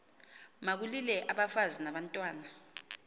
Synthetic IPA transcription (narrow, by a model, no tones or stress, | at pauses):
mak̬ulilɛʔaɓafazinaɓantʼwaːna